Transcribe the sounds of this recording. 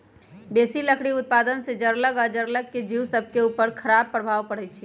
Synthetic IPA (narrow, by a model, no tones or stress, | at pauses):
besiləkʰɽiʊt̪̚pad̪ənsed͡ʒəɾləɡəd͡ʒəɾləɡ̚kːed͡ʒiwsəb̚ʱkeupəɾkʰəɾab̚pɾəbʱaʋpəɽɛt͡ʃʰi